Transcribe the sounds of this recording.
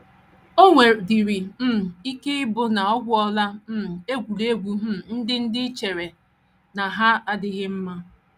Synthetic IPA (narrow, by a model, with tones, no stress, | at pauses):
o˦ŋʷe˨di˨ɾi˨m̩˦˨i˦ke˦ɪ˦bʊ˦na˨ɔ˦ɡʷʊ˦ɔ˦la˦m̩˦˨e˦ɡʷu˨le˦ɡʷu˦ɦ̩˦n̩˦dɪ˦n̩˦dɪ˦t͡ʃe˨ɾe˨ | na˨ɦa˦a˦dɪ˦ɣɪ˦m̩˦ma˦